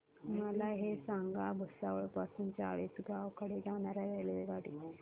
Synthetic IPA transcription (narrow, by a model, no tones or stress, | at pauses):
məlaɦesaŋɡabʱəsaʋəɭpasuːnt͡saɭiːsɡaʋkəɽed͡zaɽ̃aɾaʋɛjleʋeɡaɽḭː